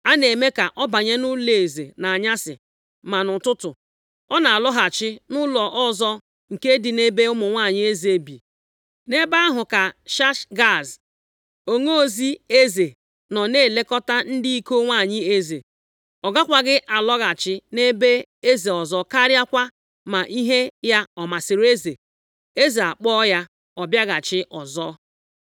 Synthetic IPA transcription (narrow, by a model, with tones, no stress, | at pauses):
a˦ne˨me˦ka˨ʔɔ˦ba˨ɲe˦nʊ˦le˨e˨zḛ˨na˨a˨ɲa˦sɪ̰˨ | ma˨nʊ˨tʊ˦tʊ˨ | ɔ˦na˨a˨lɔ˦ɦa˨t͡ʃɪ˦nʊ˦lɔ˨ʔɔ˦zɔ˦ | ŋ̩˨ke˦dɪ˨ne˦be˦ʊ˦mʊ˨ŋʷa˦˨ɲɪ˦e˦ze˦bḭ˨ | ne˦ba˦a˦ɦʊ˨ka˨ʃa˦ʃɡa˦˨z | o˨ŋo˦o˦˨zi˦e˦ze˨ | nɔ˨ne˦˨le˦kɔ˦ta˦n̩˦dɪ˦i˦ko˦ŋʷa˦˨ɲɪ˦e˦ze˨ | ɔ˨ɡa˦kʷa˨ɡɪ˦ʔa˨lɔ˦ɣa˨t͡ʃɪ˦ne˦be˦e˦ze˨ɔ˨zɔ˨ka˦ɾja˦kʷa˦ | ma˨ʔi˦ɦe˦ja˦ɔ˨ma˨sɪ˨ɾe˦ze˨ | e˦ze˨a˨k͡pɔ˦ja˦ | ɔ˨bja˦ɣa˨t͡ʃɪ˦ʔɔ˨zɔ˦